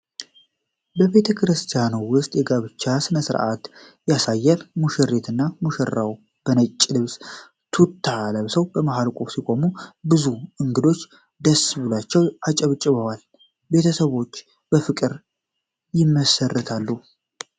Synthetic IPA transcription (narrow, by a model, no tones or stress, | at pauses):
bəβe̞t̪ʰəkʰɾɨst̪ʰijanuwʊst̪ʼjɛɡaβɨt͡ʃːasɨnəsɨɾʔat̪ | jasajːɛɾmuʃɛrːe̞t̪ʰɨnːamuʃərːaw | b̥ənət͡ʃʼːlɨβs | t̪ʰut̪ʰːaləβsəwbəmaɦalkʷʼufsikʷʼo̞mubɨzuʔɨŋɡɨd̪o̞t͡ʃː | d̪əsβɨlat͡ʃːɛwat͡ʃʼəβt͡ʃʼːɨβəwal | be̞t̪ʰəsəβo̞t͡ʃː | bəfɨkʼɨɾ | jɪmːəsərːət̪ʰalːu